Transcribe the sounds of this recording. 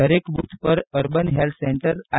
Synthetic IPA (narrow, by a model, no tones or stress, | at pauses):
əɾekbut̪pəɾəɾbənɦelt̪seɳʈəɾa